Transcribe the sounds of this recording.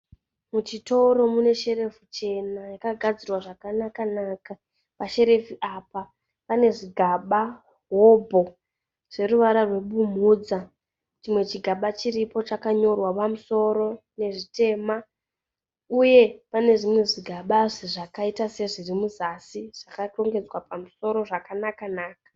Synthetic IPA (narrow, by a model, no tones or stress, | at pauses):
mut͡ʃito̞ɾo̞mune̞ʃe̞re̞fut͡ʃe̞najakaɡʱad͡zirwaʐakanakanaːka | paʃe̞ɾe̞fuʔapa | pane̞ʐiɡʱaɓa | ɦobʱo̞ | ʐ̥e̞ɾuʋaɾarwe̞ɓum̤ud͡za | t͡ʃimwe̞t͡ʃiɡʱaɓat͡ʃiripo̞t͡ʃakaɲo̞rwapamuso̞ɾo̞ | ne̞ʐite̞ːma | uje̞pane̞ʐimwe̞ʐiɡʱaɓaʐiʐakaitase̞ʐirimuzasiʐ̥akaro̞ŋɡe̞d͡zwapamuso̞ɾo̞ʐakanakanaːkḁ